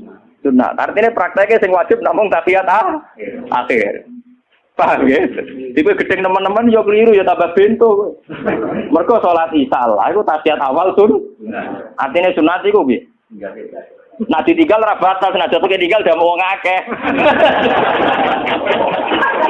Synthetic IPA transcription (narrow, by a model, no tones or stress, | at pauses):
suna̰t̪a̰rt̪inepəɾak̚t̪akesɪŋwḁd͡ʒ̥ɪp̚namʊŋt̪asiat̪̚aha̰xɪr | paked̪̥ikuɡ̥əd̪̥ɛŋnəmənːəmənjɔkəliɾujɔt̪abab̥ent̪ʊe | mərɡ̥ɔsolat̪isa̰la̰hikut̪asiat̪awalsʊn | ʔa̰rt̪inesunat̪ikubi | naʔd̪̥i̤t̪iŋɡalt̪ɾab̥at̪alsnadd͡ʒ̥at̪oket̪iŋɡald̥̪amowɔŋakɛh